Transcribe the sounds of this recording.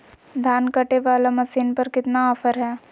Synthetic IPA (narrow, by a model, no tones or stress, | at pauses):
d̪ʱaːnkəʈeʋaːlamɐsiːnpɐɾkɪt̪naɔfəɾɦɛː